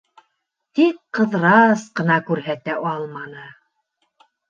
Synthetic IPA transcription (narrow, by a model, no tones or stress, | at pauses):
t̪ikqɤ̆ðɾɑsqɤ̆nɑkʉɾɦæt̪æʔɑlˠmɑnɤ